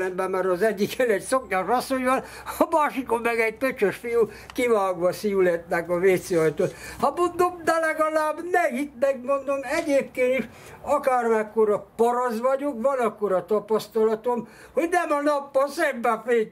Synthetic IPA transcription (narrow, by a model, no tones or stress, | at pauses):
ɛmbɛmːɛɾɒzɛɟːikɛlɛɟsokɲɑʃɒsojʋɒl | ɒmaːʃikomːɛɡɛɟ̚pøt͡ʃøʃfiju | kiʋaːɡʋɒsijulɛt̪nɛkɒʋeːt̪seɒjt̪oːlhɒmond̪omd̪ɛlɛɡɒlaːbnɛit̪mɛɡmo̞nd̪omɛɟeːp̚keːniʃ | ɒkaːrmɛkːoɾɒpɒɾɒzʋɒɟokʋɒnɒkːoɾɒt̪ɒpɒst̪ɒlɒt̪om | ho̞ɟnɛmɒnɒpːɒsɛmbɛfeː